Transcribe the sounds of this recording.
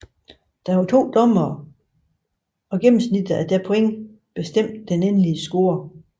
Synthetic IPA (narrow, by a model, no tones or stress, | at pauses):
d̥ɑʋɑt͡sʰo̝̰ːd̥ɒ̽mɐː | ɒ̽ɡ̥em̰m̩snid̥ð̩ˠæɐd̥æɐpʰo̽eŋ̰ | b̥e̝sd̥em̰d̥d̥enenliəsɡ̥o̝ːɐ